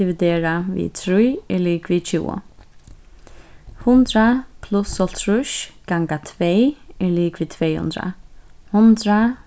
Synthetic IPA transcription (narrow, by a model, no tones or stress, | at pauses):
ɪvɪd̪eːɾavḭːt̪ʰɾujɛɹliːkvit͡ʃʰṵːʊ̰ | hʊnt̪ɾapʰlʊsɔlt̪ʰɹʊʃɡ̥aŋɡat̪ʰvejɛɹliːkviːt̪ʰvɛːjhʊ̰nd̪ɾa̰hʊnt̪ɾa